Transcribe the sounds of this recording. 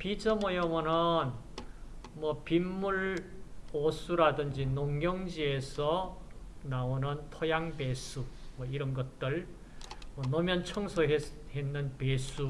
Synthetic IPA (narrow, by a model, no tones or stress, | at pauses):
pid͡ʑʰʌmʌjʌmʌnɯn | mwʌpimːuɭ | osʰuɾadɯnd͡ʑinoŋːjʌŋd͡ʑiesʰʌ | naonɯntʰʌjaŋpesʰumwʌiɾʌnɡʌt̚t͈ɯɭ | mʌnʌmjʌnt͡ɕʰʌŋsʰoɦehenːɯnpesʰu